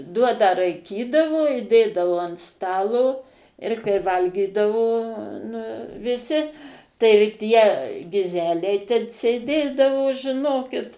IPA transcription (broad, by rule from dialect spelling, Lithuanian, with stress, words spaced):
ˈduɔnɑː rɐɪˈkʲiːdɐʋoː ɪ ˈdʲeːdɐʋoː ɐnt ˈstɑːlˠoː ɪr kɐɪ ˈʋɐlʲɡʲiːdɐʋoː nʊ ʋʲɪˈsʲɪ tɐɪ ɪr ˈtʲiɛ ɡʲɪˈzʲæːlʲɛɪ tʲɛn sʲeːˈdʲeːdɐʋoː ʒʲɪˈnoːkʲɪt